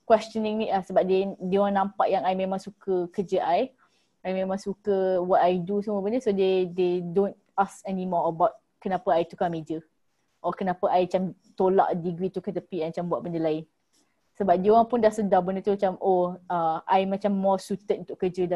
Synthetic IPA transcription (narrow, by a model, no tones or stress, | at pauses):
kwɛst͡ʃənĩŋniʔlahsəbap̚dedioɾaŋnãmpaʔjaŋajmẽmãŋsukəkəd͡ʒəʔaj | ajmẽmãŋsukəwɔt̚ajdusəmobəndəsodededõn | askɛnimɔəbawt̚ | kənapəajt̪ukamid͡ʒə | ʔɔkənapəʔajat͡ʃamt̪ola̰ʔdiɡɾit̪ukət̪əpiʔamat͡ʃambuaʔ̚bəndəlaɪn | səbap̚dioɾaŋpʊndahsədabəndət̪umat͡ʃamʔoəajmat͡ʃamːɔsut̪ət̚unt̪ʊʔkəd͡ʒəda